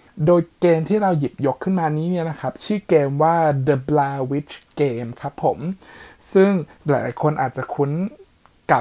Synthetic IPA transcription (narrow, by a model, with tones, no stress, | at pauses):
doː˧jkeː˧mt̪ʰiː˥˩ɾa˧wji˨˩p̚jo˦˥kʰːɯ˥˩nmaː˧nːiː˦˥ni˥˩ɐna˦˥kʰa˦˥p̚t͡ɕʰɯː˥˩keː˧mwaː˥˩dɤ˧blaː˧wi˦˥t͡ɕʰkeː˧mkʰa˦˥pʰːo˨˩˦msɯ˥˩ŋlaː˨˦jlaː˨˩˦jkʰo˧nʔaː˨˩t̪̚t͡ɕa˨˩kʰu˦˥n | ka˨˩